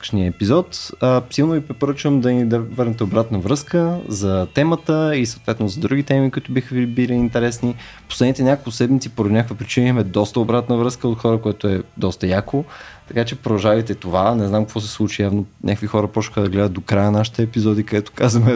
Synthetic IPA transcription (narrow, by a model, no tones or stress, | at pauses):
ʃniəɛpizɔt̪əsilˠnovipɾɛpoɾət͡ʃvəmd̪ɐnid̪vəɾnɛt̪ɛobɾat̪nəvɾɤskəzɐt̪ɛmət̪əisɐot̪vɛt̪nozɐd̪ɾuɡit̪ɛmikoʊit̪ʊbixəvibiliːnt̪ɛɾɛsni | poslɛd̪nit̪ɛnʲakolˠkʊsɛd̪mit̪sipoɾd̪unɲakvipɾit͡ʃinimɛd̪ɔst̪əobɾat̪nəvɾəskəot̪xɔɾəkoɛt̪oɛd̪ɔst̪ɐjakot̪ɐkat͡ʃɛpɾd̪ɐʒavəjt̪ɛt̪ovanɛznamkɐkvɔsɛ̥slˠut͡ʃijavnonʲʔakəkvixɔɾəpɔʃə̥xəd̪ɐɡlɛd̪ət̪d̪okɾajənaʃi̥t̪ɛːpizɔd̪ikɐd̪ɛt̪ʊ̥kazəmɛ